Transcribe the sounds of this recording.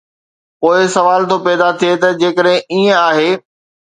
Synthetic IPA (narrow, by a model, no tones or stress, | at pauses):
poːɪsɐʋaːlt̪ʰopɛːd̪at̪ʰiet̪ɐd͡ʑeːkəɗɦɪ̃iːə̃aːɦeː